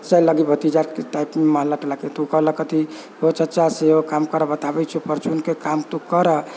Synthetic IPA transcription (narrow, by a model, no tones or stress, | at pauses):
t͡ʃajləɡibʱət̪id͡ʒaɾkeʈajpmeməɦəlːaʈelaket̪ukələkət̪i | ɦot͡ʃətːt͡ʃaseokamkəɾəbət̪abɛt͡ʃʰɛpəɾt͡ʃunkekamt̪ukəɾə